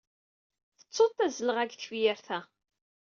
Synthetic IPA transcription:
θə̥t͡sːoθæzələʁæɡθwjɪɾθæ

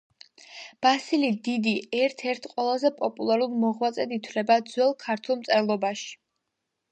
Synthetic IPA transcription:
b̥asilid̪id̪iɛɾt̪ʰɛɾt̪ʰqʼwɛlˠazɛpʼɔpʼulˠaɾulmɔʁwat̪sʼɛd̪it̪ʰwlɛbad̪zwɛlˠkʰaɾt̪ʰulˠmt̪sʼɛlˠɔbaʃi̥

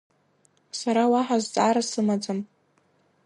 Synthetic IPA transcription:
saɾawaħazt͡sʼaɾasɨmad͡zɨm

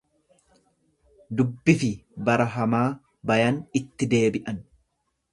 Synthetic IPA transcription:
d̪ʊbːɪfɪbɐɾɐɦɐmaː | bɐjɐnɪt̪ːɪd̪e̞ːbɪʔɐn

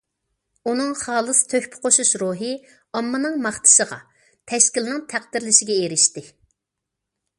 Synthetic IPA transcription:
unɨŋχɑːlˠɨst̪ʰøhpʰɪ̥qʰoʃuʃɾoɦɨ | ɑmːɨnɨŋmɑχt̪ʰɨ̥ʃəʁɑ̰ | t̪ʰɛʃkʲilnɨŋt̪ʰæq̚d̪ɪɾlɪʃɪɡʲɛeɾɪʃt̪ɪ

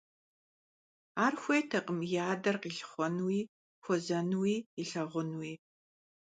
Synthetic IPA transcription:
aːrxʷejtʰɐqʼəmjaːdɐrqiːɬχʷɔnwiː | xʷɔzɐnwiːiɬɐʁʷʊnwiː

